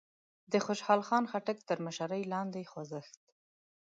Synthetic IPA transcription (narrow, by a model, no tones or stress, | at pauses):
d̪əxʊʃhɑlxɑnxaʈəkt̪əɾməʃaɾəjlɑnd̪exwazəxt̪̚